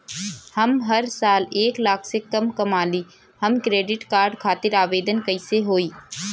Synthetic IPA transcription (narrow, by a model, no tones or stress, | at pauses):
hɐmɦɐɾsaːleːklaːkʰsekɐmkɐmaːliː | hɐmkɾeːɖɪʈkaːɾɖkʰaːt̪ɪɾaːʋeːd̪ənkɐɪseɦoːiː